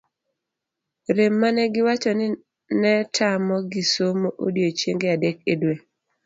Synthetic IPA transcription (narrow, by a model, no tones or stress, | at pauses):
ɾemːanɛɡɪwat͡ʃɔnɪ | nɛtʰamɔɡisomoʔodjot͡ʃjeŋɡeadekedwe